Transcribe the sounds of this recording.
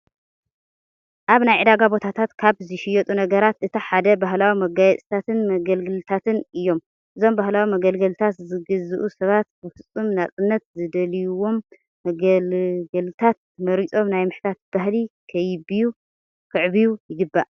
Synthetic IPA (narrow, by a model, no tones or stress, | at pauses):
ʔaβnajʕɨd̪aɡabo̞t̪ʰat̪ʰat̪kʰaβzɨʃɪjɛt̪ʼunɐɡɐɾat̪ʔɨt̪ʰiħad̪ɐbaɦlawimɐɡajɛt͡sʼt̪ʰat̪ʰɨnmɐɡɐlɡɨlt̪ʰat̪ʰɨnɨjːo̞m | ʔɨzo̞mbahlawimɐɡɐlɡɐlt̪ʰat̪zɨɡɨzɨʔusɐβat̪̚bɨfɨt͡sʼːumnat͡sʼɨnːɐt̪zɨd̪ɐlijuwo̞mː | ɐɡɐlɡɐlt̪ʰat̪̚ | mɐɾit͡sʼo̞mnajmɨħt̪ʰat̪̚b̥ahlikʰɐjɪbiju | kʰɨʕβijujɪɡɨbːaʔ